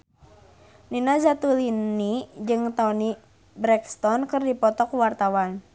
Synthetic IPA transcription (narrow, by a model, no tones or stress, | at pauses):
ninazat̪ulinnid͡ʒɨŋt̪aɔni | bɾɛkst̪ɔnkɨrdipɔt̪ɔkuwart̪awan